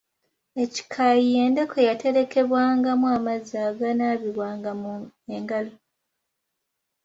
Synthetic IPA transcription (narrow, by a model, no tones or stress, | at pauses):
e̞ci̥kʰajije̞ːnde̞kʰo̞jate̞ɾe̞ke̞βwaːŋɡamwamazaːɡanaːβiβwaːŋɡameŋɡalo